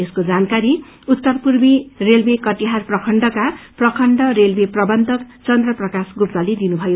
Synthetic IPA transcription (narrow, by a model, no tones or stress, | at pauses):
eskod͡zankaɾi | ut̪ːʌrpurbirelbekʌʈiɦarprʌkʰʌɳɖʌkaprʌkʰʌɳɖʌɾelbeprʌbʌnd̪ʌkt͡sʌnd̪rʌprʌkasɡupt̪ʌled̪inubʱʌjo